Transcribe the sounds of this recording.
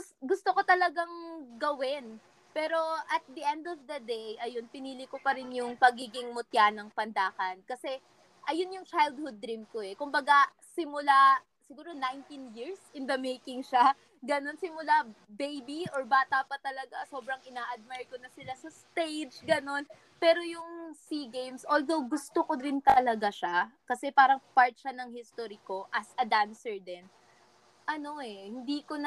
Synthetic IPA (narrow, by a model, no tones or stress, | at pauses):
sɡʊst̪okot̪ɐlɐɡaŋɡɐwɪn | pɛːɾo̞ʔɐt̪̚d̪iʔɛnd̪ɔvd̪ɐd̪ejʔɐjo̞npɪniːlɪkopɐɾɪnjʊŋpɐɡiːɡɪŋmʊt̪janɐŋpɐnd̪aːkɐnkɐsɛ | ʔɐjonjʊŋt͡ʃajld̪̚hʊd̪̚ːɾimkoɛkʊmbɐɡa | sɪmʊla | sɪɡuːɾo̞najnt̪injiɹsɪnd̪ɐmejkɪŋʃa | ɡɐno̞nsɪmʊla | bejbiʔoɹbaːt̪apɐt̪ɐlɐɡaso̞ːbɾɐŋɪnaːʔɐd̪̚majɹkonɐsɪlasɐst̪ejd͡ʒɡɐno̞n | pɛːɾo̞jʊŋsiɡejmsʔold̪owɡʊst̪okod̪ɪnt̪ɐlɐɡaʃakɐsɛpaːɾɐŋpaɹt̪̚ʃanɐŋhɪst̪oɾiko̞ʔɐsʔɐd̪ansɛɹd̪ɛn | ʔɐno̞ʔɛhɪnd̪iːkon